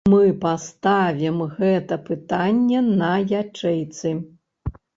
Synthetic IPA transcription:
mɨpast̪avʲimɣɛt̪ɐpɨt̪anʲːɛnɐjat͡ʂɛjt̪sɨ

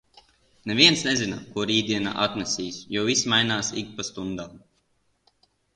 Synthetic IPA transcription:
nevʲiɛnsnɛzinakuɔɾiːd̪iɛna̰ʔat̪nɛsʲiːsjɔːvismajnaːsḭkpast̪und̪aːm

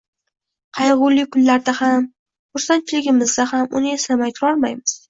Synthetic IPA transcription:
qʰɑjʁʊlɪkʰʊnlaɾd̪aham | χʊɾsant͡ʃʰɪlɪɡʲɪmɪzd̪ʲahamʊ̰nɪe̞samajt̪ʰʊɾɒlˠmajmɪz̥

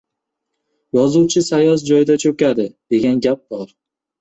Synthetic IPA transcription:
jɒzuwt͡ʃʰɪsajɒs̬d͡ʒɒjɪd̪at͡ʃʰɵkʲad̪ɪd̪̥e̞ɡʲanɡʲap̚bɒɾ

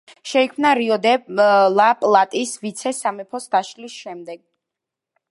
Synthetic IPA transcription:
ʃɛikʰmnaɾiɔd̪ɛlˠapʼlˠat̪ʼisvit̪sʰɛsamɛpʰɔsd̪aʃlisʃɛmd̪ɛɡ̥̚

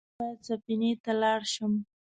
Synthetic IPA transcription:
at͡sapinet̪alɑɽʃəm

